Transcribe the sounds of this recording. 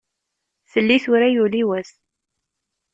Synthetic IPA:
θəlːiθʊɾajuliwæs

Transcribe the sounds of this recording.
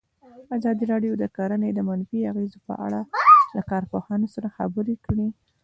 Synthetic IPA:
azɑd̪iɾɑɖjod̪əkaɾaned̪əmanfiaɣezopə̰ʔa̰ɽalakɑɾpohɑnosaɾaxa̰bəɾekɽi

